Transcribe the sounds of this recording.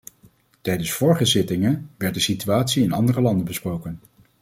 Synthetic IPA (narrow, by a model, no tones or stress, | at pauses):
tɛjdənsfʊːɹχəzɪtɪŋənʋɛɹt̚dəsityaːtsiɪnɑ̰ndərəlɑndənbəsprowkən